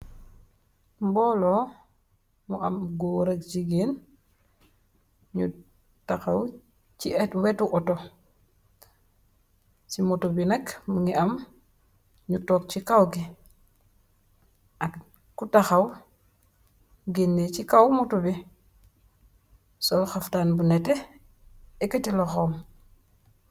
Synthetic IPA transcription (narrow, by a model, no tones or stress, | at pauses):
mbɔlo | muʔamɡoɾak̚t͡ʃiɡin | ɲu | taxaw | t͡ʃietwetuʔɔto | t͡ʃimutubinakmuŋiʔam | ɲutoːk̚t͡ʃikawɡi | ʔak | kutaxaw | ɡinːet͡ʃikawmutubi | solxaftaːnbunete | ekatiloxoːm